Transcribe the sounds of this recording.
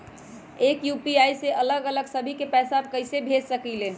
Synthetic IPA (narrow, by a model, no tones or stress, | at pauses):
ekjupiajseʔələɡələɡsəbʱikepɛsab̚kəɪsebʱed͡ʒsəkile